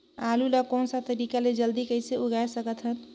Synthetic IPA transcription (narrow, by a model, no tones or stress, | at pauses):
alulakonsat̪əɾikaled͡ʒəld̪ikəjseuɡajsəkət̪ɦət̪